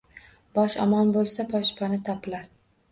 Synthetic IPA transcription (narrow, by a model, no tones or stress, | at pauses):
b̥ɒʃɒ̰mɒnbolˠsapʰɒʃpʰanɪt̪ʰɒpɪlaɾ